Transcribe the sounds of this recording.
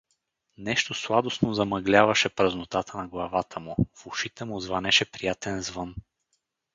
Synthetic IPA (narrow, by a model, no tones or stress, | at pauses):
nɛʃt̪oslˠad̪osnozɐmɐɡlʲavɐʃɛpɾəznot̪at̪ənɐɡlˠɐvat̪əmʊfʊʃit̪ɛmʊzvɐnɛʃɛpɾijat̪ɛnzvɤn